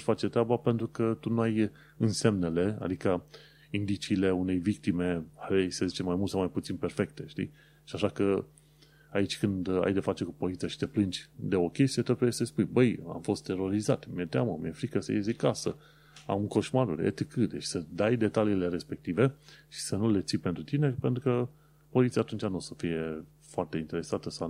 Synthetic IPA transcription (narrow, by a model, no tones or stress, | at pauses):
fat͡ʃet̪ɾʲabape̞nt̪ɾukət̪unuaj | ɨnse̞mne̞le̞a̰d̪ikə | ind̪it͡ʃiːle̞une̞jvik̚t̪ime̞aɾejsəzit͡ʃe̞mːajmult̪sawmajput̪sinpe̞rfe̞k̚t̪e̞ʃt̪ḭ | ʃiaʃakə | ait͡ʃʲkɨnd̪a̰jd̪efat͡ʃe̞kupo̞lit̪sijaʃi̥t̪e̞plɨnd͡ʒʲd̪e̞o̞kʲe̞st̪ijet̪eb̪uejesəspujbəja̰mfo̞st̪ʰːe̞ɾo̞ɾizat̪mijet̪eaməmijefɾikəsə̰jezikasə̰ | a̰mko̞ʃmaɾṵɾḛt̪ikɨd̪eʃi̥səd̪ajd̪e̞t̪aliːle̞ɾe̞spe̞k̚t̪ive̞ʃi̥sənule̞t̪sijpent̪ɾut̪ine̞pent̪ɾukə | po̞lit̪sijat̪unt͡ʃanosəfije̞ | foart̪e̞int̪e̞ɾe̞sat̪əsa